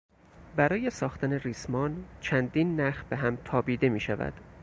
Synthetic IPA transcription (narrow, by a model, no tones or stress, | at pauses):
bæɾɒːje̞sɒːxt̪ʰæne̞riːsmɒːnt͡ʃʰænd̪iːnːæxbeɦæmt̪ʰɒːbiːd̪e̞miːʃævæ̰d̪̥